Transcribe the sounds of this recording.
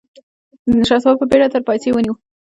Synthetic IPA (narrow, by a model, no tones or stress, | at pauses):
d̪ənʃɑswɑb̚pəbeɽat̪əɾpɑjsewəniwu